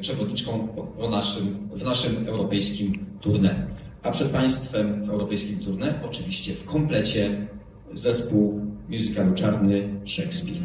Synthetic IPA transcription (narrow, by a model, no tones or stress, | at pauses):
pʂɛvɔd̪̚ɲit͡ʂkɔ̃w̃naʂɘmvnaʂɘmɛwɾɔpɛjskʲimt̪uɾnɛ | ʔapʂɛt̪̚paj̃st̪fɛmvɛwɾɔpɛjskʲimt̪uɾnɛʔɔt͡ʂɘvʲiɕt͡ɕɛfkɔmplɛt͡ɕɛ | zɛspuwmʲjuzɘkalut͡ʂaɾnɘʂɛkspʲiɾ